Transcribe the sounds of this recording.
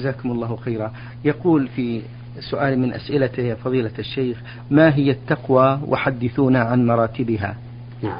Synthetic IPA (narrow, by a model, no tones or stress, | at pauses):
azaːkʊmʊlˤːɑːwxejɾa | jɑquːlfi | sʊʔaːlmɪnʔa̰sʔɪlat̪ɪfɑðˤiːlaaʃːejx | maːɦɪjːat̪ːɑqwawʔʊ̰ħad̪ːɪθuːnaʕanmɑɾˤɑːt̪ɪbɪɦa̰